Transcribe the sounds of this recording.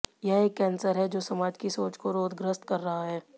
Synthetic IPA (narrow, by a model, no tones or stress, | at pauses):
jɛɦeːkːɛːnsəɾɦɛd͡ʒoːsɐmaːd͡ʒkisoːt͡ʃkoɾoːd̪ɡɾəst̪kɐɾːɐɦaɦɛː